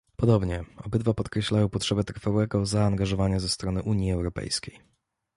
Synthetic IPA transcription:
pɔd̪ɔbɲɛɔbɘd̪vapɔt̪kɾɛɕlajɔ̃w̃pɔtʂɛbɛt̪ɾfawɛɡɔzaːŋɡaʐɔvaɲazɛst̪ɾɔnɘʔuɲjiɛwɾɔpɛ̰jskʲej

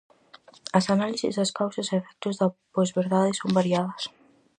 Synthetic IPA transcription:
ɐsanalisizðɐskawsɐsefɛk̚t̪uzðɐpozβeɾðaðesombaɾiaðɐs

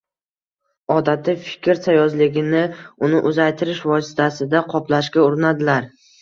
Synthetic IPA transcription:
ɒd̪at̪ʰɪfɪ̥kʲɪɾsʰajɒzlɪɡʲɪnɪʊnɪʔʊzajt̪ʰɪɾɪʃvɒsɪ̥t̪ʰasɪd̪aqʰɒplaʃkʲaʊɾɪnad̪ɪlaɾ

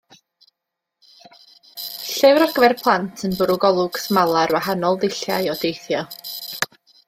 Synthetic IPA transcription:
ɬɛwɾaɡ̥vɛrpʰlˠantʰənbʊɾʊɡɔlˠʊɡ̥smalˠarwahanɔlˠðɪɬja̰jɔdejθjɔ

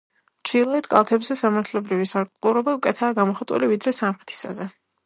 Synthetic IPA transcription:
t͡ʃʰilˠaɛt̪kʼa̰lˠt̪ʰɛbzɛsamaɾt̪ʰlɛbɾivisaɾkʼlʼˠuɾɔbaukʼɛt̪ʰaːɡamɔχat̪ʼṵlivid̪ɾɛsamχɛ̥t̪ʰi̥sa̰zɛ

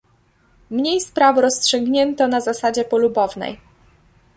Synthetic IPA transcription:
mɲejspɾavɾɔstʂɛɡɲɛnt̪ɔnazasad͡ʑɛpɔlubɔvnɛ̰j

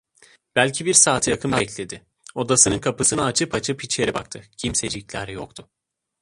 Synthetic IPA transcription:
b̥ælʲcʰibiɾsaːt̪ʰjakʰɯmabɛclʲe̞d̪ɪ | o̞d̪asɯnɯnkʰapɯsɯnaːt͡ʃʰɯpʰat͡ʃʰɯpʰit͡ʃlʲe̞ɾiba̰k̚t̪ʰɯcʰimsed͡ʒiclʲæ̰ɾjo̰kt̪ʰʊ

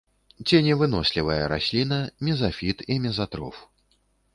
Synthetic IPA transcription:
t͡sʲinʲɛvɨnɔsʲlʲivɐjɐɾa̰sʲlʲinɐmʲɛzafʲit̪imʲɛzat̪ɾɔ̰f

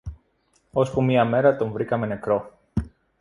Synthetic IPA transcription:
o̞spumiɐme̞ɾɐt̪o̞ɱvɾikɐme̞ne̞kɾo̞

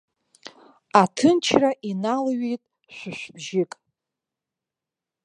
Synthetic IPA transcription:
atʰɨnt͡ʃʰraʔinalɥijtʼ | ʃʷɨʃʷbʒɪkʼ

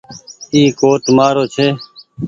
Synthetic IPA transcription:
iːkoːʈmaːɾoːt͡ʃʰeː

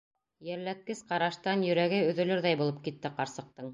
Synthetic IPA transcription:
jæɾlæt̪̚kɘsqɑɾɑʃt̪ɑnjɵ̆ɾæɡɘɵ̆ðɵ̆lɵɾðæjbulˠɤp̚kit̪ːɘqɑɾsɤ̆q̚t̪ɤɴ

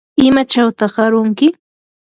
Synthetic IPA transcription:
ɪmat͡ʃawt̪ɑχɢɑɾʊŋkɪ

